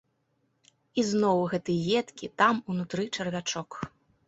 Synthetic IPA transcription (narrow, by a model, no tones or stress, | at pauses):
iznɔwɣɛt̪ɨjjɛt̪kʲit̪amunut̪ɾɨt͡ʂɐrvʲat͡ʂɔk